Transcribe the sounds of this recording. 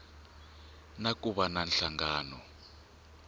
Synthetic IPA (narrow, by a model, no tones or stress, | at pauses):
nakuβananɬaŋɡaːnɔ